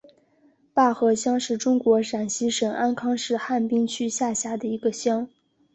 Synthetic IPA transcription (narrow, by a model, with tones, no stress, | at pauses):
pa˥˩xɤ˧˥ɕjɑ˥ŋʂɻ̩˥˩ʈ͡ʂʊ˥ŋkwɔ˧˥ʂa˨˩nɕi˧˥ʂɤ˨˩ŋʔa˥nkʰɑ˥ŋʂɻ̩˥˧xa˥˩npi˥ŋt͡ɕʰy˥ɕja˥˩ɕja˥d̪ə˨i˧˥ɡə˧ɕjɑ˥ŋ